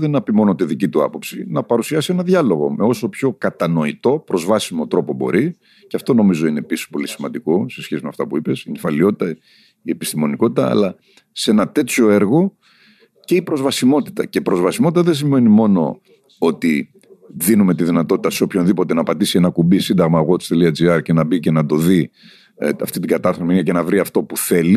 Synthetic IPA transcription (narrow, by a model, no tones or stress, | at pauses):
ðenɐpimo̞not̪ðicit̪uɐ̰po̞psinɐpɐɾusiɐsie̞nɐðʝɐlo̞ɣo̞̰me̞o̞so̞pço̞kɐt̪ɐno̞it̪o̞pɾo̞zvɐsimo̞t̪ɾo̞po̞bo̞̰ɾi | ceɐft̪o̞no̞mizo̞ine̞piso̥po̞lisimɐnd̪iko̞se̞sçesimeɐft̪ɐpuipe̞sinfɐlio̞t̪i̥t̪ɐ | ie̞pi̥st̪imo̞niko̞t̪it̪ɐ̰ɐ̰lɐ | se̞nɐt̪e̞t͡sço̞e̞ɾɣo̞ | ce̞ipɾo̞zvɐsimo̞t̪i̥t̪ɐceipɾozvɐsimot̪it̪ɐðes̬imve̞nimo̞no̞̰ | ot̪i | ðinume̞t̪iðinɐt̪o̞t̪i̥t̪ɐseo̞pço̞nðipo̞t̪e̞nɐpɐd̪isienɐkubisind̪ɐɣmɐɣot̪st̪eliɐd͡ziɐɾcenɐbice̞nɐd̪o̞ði | ɐ̰ft̪it̪iŋɡɐt̪ɐθominɐce̞nɐvɾiɐft̪o̞puθe̞li